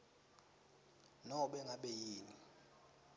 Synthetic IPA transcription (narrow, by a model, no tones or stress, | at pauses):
nɔɓɛŋaɓɛjiːni